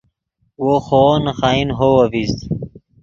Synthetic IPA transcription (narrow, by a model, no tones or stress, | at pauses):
woxonxaːinɦowɐfis